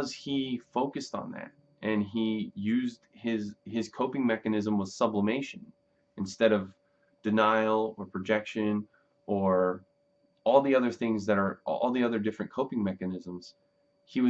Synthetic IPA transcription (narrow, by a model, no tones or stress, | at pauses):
ʌz̥ifoʊkɨstn̩ðæ̰ɾ̚ | ʔɨ̃nijʉzd̥̚ɪzɪz̥kʰoʊpɪ̃ŋmɛkɨnɪzə̃mwʌð̥sʌbləmeɪʃɨ̃n | ɨ̃nstɛɾʌv | d̥ɨnaɪl̩ˠə˞pʰɹ̥ɨd͡ʒɛkʃɨ̃n | ʔə˞ | ɔlˠðiʌðə˞θɪ̃ŋzðɨɾə˞ʔɔ̰lˠðiʌðə˞dɪfɹɨ̃nkʰoʊpɪ̃ŋmɛkɨnɪzə̃mz̥ | iwʌ